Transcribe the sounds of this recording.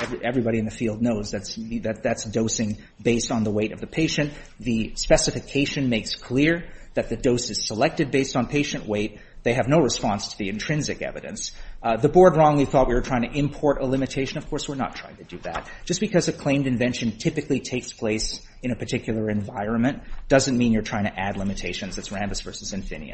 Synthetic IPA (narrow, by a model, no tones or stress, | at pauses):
ɛviʔɛvɹibɑɾiɨ̃nðɨfilˠdⁿnoʊzðætsðɨt̪̚ðætsd̥oʊsɪ̃ŋ | beɪstn̩ðəweɪɾʌ̰vðɨpʰeɪʃɨ̃n | ðɨspɛsɨfɨkʰeɪʃɨ̃nmeɪkskʰl̥ɪɹðɨt̪̚ðɨdoʊsɨz̥səlɛk̚tɨd̚beɪstn̩pʰeɪʃɨ̃nʔweɪt̪̚ | ðeɪɨvnoʊɹɨspɑ̃nstʰɨðiɨ̃ntʰɹ̥ɪ̃nzɨkɛ̰vɨ̰ɾɨ̰̃nsðɨbɔɹd̚ɹɔ̃ŋliθɔt̚wiwə˞tʰɹ̥aɪɪ̃ŋ̃tʰɨɪ̃mpʰɔɹɾəlɪ̃mɨtʰeɪʃɨ̃nʌv̥kʰɔɹswɨɹnə̰tʰɹ̥aɪɪ̃ŋtʰɨdɨðæ̰t̚d̥ʒ̥ʌsb̥ɨkʰʌzɨkʰl̥ẽɪ̃mdɨ̃ɱvɛ̃nʃɨ̃ntʰɪpɨklitʰeɪkspʰl̥eɪs | ɨ̃ñɨpʰə˞tʰɪkjl̩ˠə˞ɨ̃ɱvaɪɹɨ̃nmɨ̃nd̥ʌzɨ̃nmĩnjə˞tʰɹ̥aɪɪ̃ŋtʰɨʔædˡlɪ̃mɨtʰeɪʃɨ̃nzðɨtsɹæ̃mbɨsv̥ɜ˞sɨzɨ̃ɱfɪ̰̃nḭɨ̰